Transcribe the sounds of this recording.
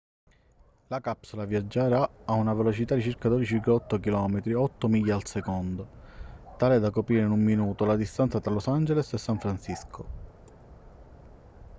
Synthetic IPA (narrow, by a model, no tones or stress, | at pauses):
lakapsolavjad͡ʒːaɾaaunavelot͡ʃit̪ad̪it͡ʃirkad̪od̪it͡ʃikɔt̪ːokilɔːmet̪ɾiɔt̪ːomiʎːaːlsekond̪o | t̪aːlɛd̪ːakopɾiːɾeinumːinuːt̪olad̪ist̪ant̪sat̪ɾalosand͡ʒelesesːaɱfɾansisko